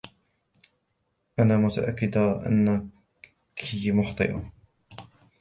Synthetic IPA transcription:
ʔanaːmʊt̪a̰ʔakːɪd̪aʔa̰nːa | kʰimʊxt̪ˤɨ̰ʔa̰

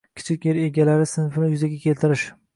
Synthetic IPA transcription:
kʲʰɪ̥t͡ʃʰɪkʲjeɾe̞ɡʲalaɾɪsɪnfɪnɪjʊzaɡʲakʲʰe̞lt̪ɪɾɪʃ

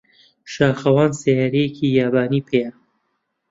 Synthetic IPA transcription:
ʃaːxɐwaːnsejaːɾejekʰiːjaːbaːniːpʰejɐ

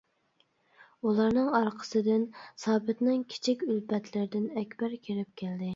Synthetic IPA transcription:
ulˠɑɾnɨŋɑɾqʰə̥sɨd̪ɪnsɑːbɪt̪nɪŋkʲʰi̥t͡ʃʰikʲylpɛt̪ʰlɪɾɪd̪ɪnɛkʲbæɾkʲʰeɾɪp̚kʲʰɪld̪ɪ

